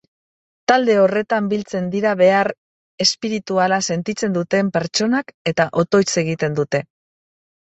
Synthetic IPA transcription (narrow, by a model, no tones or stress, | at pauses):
t̪ald̪e̞o̞re̞t̪ambilt͡se̞nd̪iɾaβe̞aɾ | e̞spiɾit̪ualase̞nt̪it͡se̞nd̪ut̪e̞mpe̞ɾt͡ʃo̞nake̞t̪aʔo̞t̪o̞jse̞ɣ̞it̪e̞nd̪ut̪e̞